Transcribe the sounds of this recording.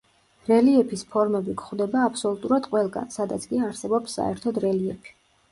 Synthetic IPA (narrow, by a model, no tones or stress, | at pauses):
ɾɛliɛpʰispʰɔɾmɛbikʰχwd̪ɛbaːpʰsɔlˠut̪ʼuɾad̪qʼwɛlˠɡa̰nsad̪at̪sʰkʼiaɾsɛbɔpsːa̰ɛ̰ɾt̪ʰɔd̪ɾɛliɛpʰi̥